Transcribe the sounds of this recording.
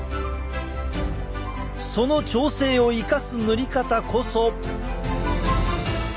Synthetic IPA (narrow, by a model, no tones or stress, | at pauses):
so̞no̞t͡ɕo̞ːse̞ːo̞ikasɨnoɾʲikat̪akʰoso